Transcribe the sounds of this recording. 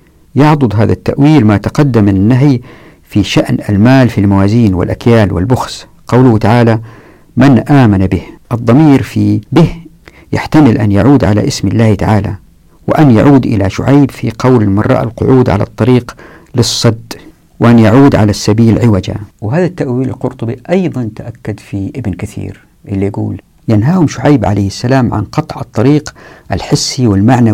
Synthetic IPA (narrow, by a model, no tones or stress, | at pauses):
jɑʕd̪ˤʊd̪ˤɦaːða̰t̪ːaʔwiːlmat̪ɑqɑd̪ːamanːaɦj | fiʃaʔna̰lmaːlfilmawaːziːnwɪ̰lʔakjaːlwɪ̰lbʊxs | qɑwlʊht̪aʕaːla | manʔaːmanabɪhʔɑd̪ˤːɑmiːɾfibɪh | jaħt̪amɪlʔanjaʕuːd̪ʕala̰ʔɪsmɪlːaːht̪aʕaːla̰ | wɪ̰ʔanja̰ʕuːd̪ʔɪlaʃʊ̰ʕajbfiqʰɑwlmɑ̰rˤːɑ̰ʔalqʊʕuːd̪ʕa̰lɑ̰t̪ˤːɑɾiːq | lɨsˤːɑd̪ː | wɪʔanjaʕuːd̪ʕalasːabiːlʕɪwad͡ʒa̰wɦaːðat̪ːaʔwiːla̰lqʊɾt̪ˤʊbiʔɑjðˤɑnt̪aʔakːad̪fiʔɪbnkaθḭːɾ | ʔɪlːijaɡṵːl | janɦaːhʊmʃʊʕajbʕa̰lajhasːalaːmʕa̰nqɑt̪ˤʕɑt̪ˤːɑɾiːqʔalħɪsːiwɪlmaʕna